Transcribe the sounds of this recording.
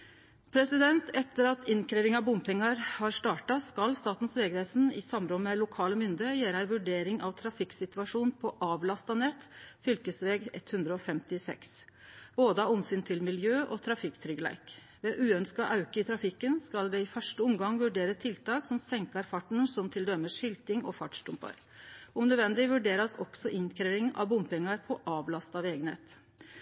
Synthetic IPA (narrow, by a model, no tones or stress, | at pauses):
pʰɾɛsɪd̪ɛnt̪ɛt̪ːəɾɑt̪ʰɪnkɾeːʋɪŋɑʋbʊmpɪŋɑɾhɑɾʂt̪ɑːʈɑskɑlst̪ɑːt̪n̩sʋeːɡɾæːsn̩ɪsɑmɾɔmmɛlʊkʰɑːləmʏnd̪əəjæːɾæɪʋʉɖeːɾɪŋʔɑʋt̪ʰɾɑfɪksɪt̪ʉʋɑʂuːnpʰɔʔɑːʋlɑst̪ɑnɛt̪ːfʏlkəsʋeːɡɛ̰t̪hʉnd̪ɾəɔfɛmt̪ɪsɛ̰ks | b̥oːd̪əɑɔmsyːnt̪ʰɪlmɪljøːʔɔt̪ʰɾɑfɪkːt̪ʰɾʏɡlæ̰ɪk | ʋɛʔʉːœnskɑʔɑʉkəɪt̪ʰɾɑfɪkːənskɑld̪ɛɪfœʂʈəʊmɡɑŋʋʉɖeːɾət̪ʰɪlt̪ɑːksɔmsɛŋkɑɾfɑʈːɳ̩sɔmt̪ʰɪld̪œməʂɪlt̪ɪŋɔ̰fɑʈʂʈʊmpɑ̰ɾ | ɔmnød̪ʋɛnd̪ɪʋʉɖeːɾɑsɔksɔʔɪŋkʰɾeːʋɪŋɑ̰ʋbʊmpɪŋɑɾpʰɔʔɑːʋlɑst̪ɑʋeːɡənhḛːt̪